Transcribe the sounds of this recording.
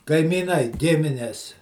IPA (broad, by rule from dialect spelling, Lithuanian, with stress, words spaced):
kɐɪmʲiːˈnɐɪ ˈɡʲɪmʲɪnʲɛs